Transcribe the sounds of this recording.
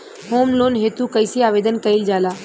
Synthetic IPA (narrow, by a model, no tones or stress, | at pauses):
hoːmloːnɦeːt̪ukəɪsiaːʋeːd̪ənkəɪld͡ʒaːlaː